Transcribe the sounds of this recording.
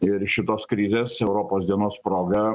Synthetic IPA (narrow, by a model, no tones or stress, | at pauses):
ɪɾʃʲɪt̪oːskɾʲɪzʲeːsɛʊɾoːpoːsd̪ʲiɛnoːspɾoːɡɐ